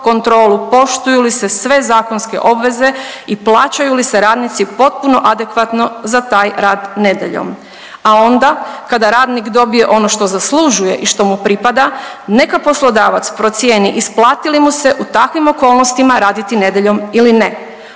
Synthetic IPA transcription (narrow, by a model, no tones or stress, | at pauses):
ko̞nt̪ɾo̞ːlupo̞ʃt̪ujulise̞sʋe̞zaːko̞nske̞̰ʔo̞bʋe̞ze̞iplˠaːt͡ɕajulise̞ɾaːd̪nit̪sipo̞t̪̚puno̞ʔad̪e̞kʋat̪no̞zat̪aːjɾaːd̪ne̞d̪jḛʎo̰m | ao̞nd̪akad̪aɾaːd̪nikd̪o̞bije̞ʔo̞noʃt̪o̞zasluʒuje̞̰ʔiʃt̪o̞mupɾipad̪ane̞kapo̞slo̞d̪aːʋat̪spɾo̞t̪sjeːniʔisplˠaːt̪ilimuse̞ʔut̪akʋimo̞ko̞ːlˠnost̪imaɾaːd̪it̪ine̞d̪eʎo̞miline